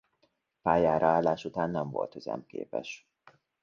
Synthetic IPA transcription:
paːjaːɾʔɒaːlːaːʃut̪aːnːɛɱvo̞̰lt̪høzɛ̰mkḛːpɛʃ

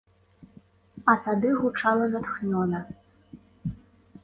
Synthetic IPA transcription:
ɐt̪ad̪ɨɣut͡ʂalˠɐnat̪xnʲɔnɐ

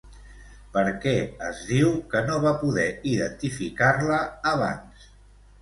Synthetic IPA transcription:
pəɾkɛəzðiwkənoβapuðɛiðənt̪ifikaɾləːβ̞a̰ns

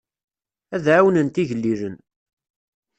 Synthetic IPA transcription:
æðʕawənənt̪iʝəlːiɾən

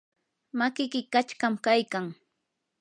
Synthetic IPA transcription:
makɪkɪkat͡ʃkamkajkaŋ

